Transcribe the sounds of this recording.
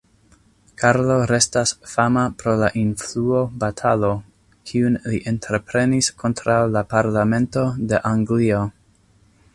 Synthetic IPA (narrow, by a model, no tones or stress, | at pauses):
kʰaɾlo̞ɾe̞stasfamapɾo̞laʔinfluo̞batʰalo̞ | kʰiunliʔe̞ntɾepɾe̞niskʰo̞ntɾawlapaɾlame̞nto̞de̞ʔaŋɡlio